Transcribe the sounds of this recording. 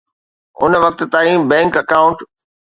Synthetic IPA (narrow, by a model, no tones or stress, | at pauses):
ʊ̰nʋɐk̚t̪t̪aːĩbɛ̃ːŋkɐkaːʊ̃ɳʈ